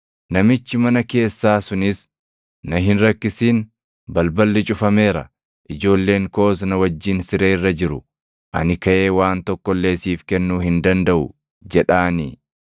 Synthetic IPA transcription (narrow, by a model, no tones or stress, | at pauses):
nɐmɪt͡ʃːɪmɐnɐke̞ːsːaːsʊnɪs | nɐɦɪnɾɐkːɪsiːn | bɐlbɐlːɪt͡ʃʼʊfɐme̞ːɾɐ̰ | ʔɪd͡ʒo̞ːlːe̞ːŋko̞ːs̬nɐwɐd͡ʒːiːnsɪɾeːɪrːɐd͡ʒɪɾʊ | ʔɐ̰nɪkɐʔe̞ːwaːnt̪ɔkːɔlːe̞ːsiːfkɛnːuːhɪnd̪ɐnd̪ɐʔʊ̰ | d͡ʒɛᶑaːniː